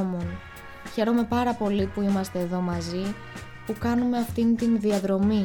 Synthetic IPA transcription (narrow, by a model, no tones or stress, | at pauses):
mon | çe̞ɾo̞me̞pɐɾɐpo̞lipuimɐst̪e̞ːðo̞mɐzi | pukɐnume̞ɐft̪int̪inðiɐðɾo̞mi